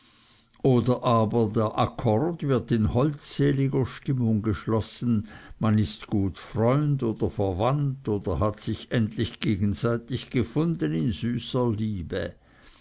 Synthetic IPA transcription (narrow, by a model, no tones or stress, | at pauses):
ʔoːdɐʔaːbɐdeːɐʔakʰɔʁdvɪɐtɪnhɔltseːlɪɡɐʃtɪmʊŋɡəʃlɔsn̩manɪstɡ̥uːtfʁɔʏndoːd̥ɐfɛɐvantoːd̥ɐhatsɪçʔɛntlɪçɡ̥eːɡn̩zaɪtɪçɡ̥əfʊndənɪnzyːsɐliːbə̰